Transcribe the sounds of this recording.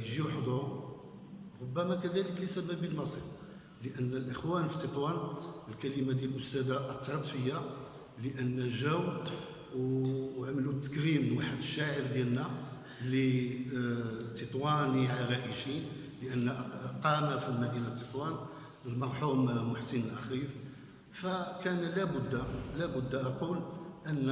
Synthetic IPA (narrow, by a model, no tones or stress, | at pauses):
jʒiħd̪ˤuɾ | ɾobːæmækæd̪æləkləsæbæbəlmɑsˤiɾ | ləʔənːəlʔəxwænfi̥t̪ːət̪ˤwænəlkælimad̪jælʔʊst̪æd̪aʔt̪ːɑɾɑt̪ˤfəjːa | ləʔənːæʒæw | wʕməlut̪ːə̥kɾimnwaħəd̪əʃːaʕəɾd̪jælnæ | li | t̪ət̪ˤwæniʕaɣæʔəʃi | ləʔənːæqɑmæfilmæd̪inat̪ːət̪ˤwæn | əlmɑɾˤħummʊħsənlʔæxif | fækænlæbʊd̪ːlæbʊd̪ːʔɑqulʔənː